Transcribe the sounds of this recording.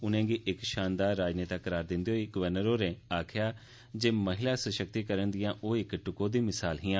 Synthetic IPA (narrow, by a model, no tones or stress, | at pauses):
ʊnẽːɡiːʔɪkʃaːnd̪aːɾːaːd͡ʒneːt̪akəɾaːɾd̪ɪ̃nd̪iːɦoːiɡəʋəɾnəɾoːɾẽːaːkʰɪjaː | d͡ʒeːməɦɪlaːsəʃək̚t̪iːkəɾənd̪ɪjãːʔoːɪkʈʊkõːd̪iːmɪsaːlɦɪãː